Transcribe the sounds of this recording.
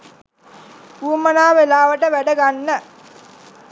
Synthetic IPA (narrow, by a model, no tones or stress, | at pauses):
uːmənaːʋelaːʋəʈəʋæɖəɡanːə